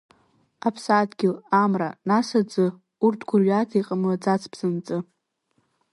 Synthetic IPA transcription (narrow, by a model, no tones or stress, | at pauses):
apʰsadɡʲɪlamra̰nasad͡zɨ | urtʰɡʷʰʊrɥatʰaiqʼəmlad͡zat͡sʰpʰz̥ɨnt͡sʼɨ